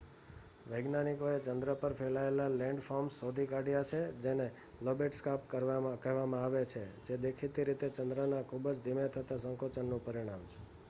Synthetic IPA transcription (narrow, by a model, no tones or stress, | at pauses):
ʋəjɡnanikoet͡ʃənd̪ɾəpəɾfʰelaelalɛ̃ɳɖfɔmsːod̪ʱikaɖjat͡ʃʰed͡ʒene | lobeʈskapkəɾʋamkəɦʋamãaʋet͡ʃʰed͡ʒed̪ekʰit̪iɾit̪et͡ʃənd̪ɾənakʰubd͡ʒd̪ʱimet̪ʰət̪asəŋkot͡ʃənːũpəɾiɽ̃amt͡ʃʰe